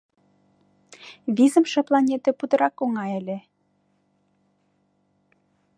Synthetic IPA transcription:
βizəmʃɤ̆plˠɑnʲet̪ĕpud̪ə̆ɾɑkoŋɑelʲĕ

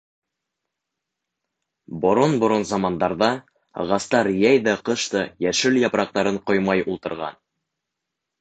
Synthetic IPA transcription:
bŏɾonbŏɾonzɑmɑnd̪ɑɾðɑ | ʁɑst̪ɑɾjæjðæqɤ̆ʃt̪ɤjæʃɘljɑpɾɑq̚t̪ɑɾɤɴqojmɑjulˠt̪ɤ̆ɾʁɑ̰n

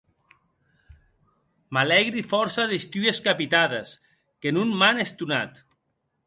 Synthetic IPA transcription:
malɛɣɾifɔɾsaðest̪ueskapit̪aðes | kenunmanest̪una̰t̪

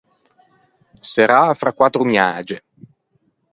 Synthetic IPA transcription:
seɾaːfɾakːwat̪ːɾʊmjaːd͡ʒe

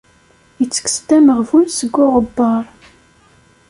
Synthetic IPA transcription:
jət͡sːə̥kə̥st̪æməʁvunsəɡːʊʁəbːɑɾˤ

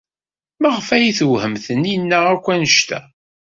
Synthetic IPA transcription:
mæʁəfæjiθəwhəmθəninːæækʷːænəʃt̪æ̰

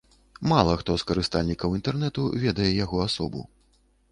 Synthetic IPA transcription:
malˠɐxt̪ɔskɐɾɨst̪alʲnʲikɐwint̪ɛrnɛt̪ṵvʲɛd̪ɐjɛjaɣɔasɔbṵ

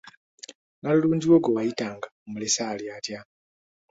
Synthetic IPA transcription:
naluluːnd͡ʒiwoɡowajitaːŋɡaumulesaːljaːtja

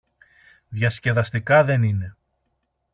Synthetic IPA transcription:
ðʝɐsce̞ðɐst̪ikɐðe̞nine̞

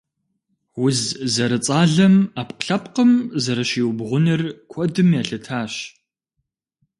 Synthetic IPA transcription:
wʊzzɐɾɨt͡sʼaːɮɐmaːpqɬɐpqəmzɐɾɐʃiːwbʁʷʊnɨrkʷʰɔdɨmjaːɬɨtʰaːɕ

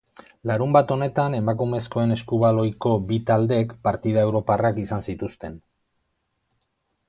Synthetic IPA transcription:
laɾumbat̪o̞ne̞t̪ane̞makume̞sko̞e̞ne̞skuβalo̞jko̞bit̪ald̪e̞kpaɾt̪iðae̞wɾo̞parakisansit̪ust̪e̞n

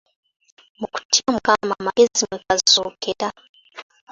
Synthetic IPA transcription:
muku̥tiamukamamaezimwekazzoːkʰeɾa

